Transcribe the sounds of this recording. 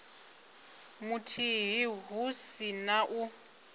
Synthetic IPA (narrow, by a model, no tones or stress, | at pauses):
mutʰiɦiɦusinaʔu